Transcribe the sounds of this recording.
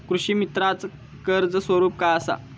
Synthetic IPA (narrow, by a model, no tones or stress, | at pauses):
kɾuɕiːmit̪ɾat͡s | kəɾd͡zəsʋəɾuːpkaəsa̰